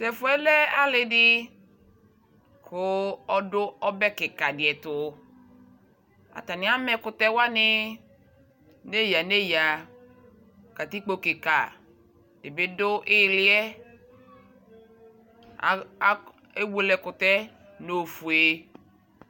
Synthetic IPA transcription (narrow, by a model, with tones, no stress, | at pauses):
sɛ˨fʊ˨˦ɛ˦lɛ˦a˦lɪ˨dɪ˦ | kʰʊ˦ɔ˦dʊ˦ɔ˦bɛ˦kɪ˨ka˨dɪ˨ɛ˨tʊ˨ | a̰˨ta˨nɪ˨˦a˦mɛ˨kʊ˨tɛ˦wa˦nɪ˦ | ne˦ja˨ne˦ja˨ | ka˨ti˦k͡po˦kɪ˨ka˨ | d̥ɪ˨bɪ˦dʊ˦ʔɪ˦˨lɪ˦ɛ˦˨˦ | e˦wo˨˦˨lɛ˨kʊ˨tɛ˦ | no˨fu˨e˨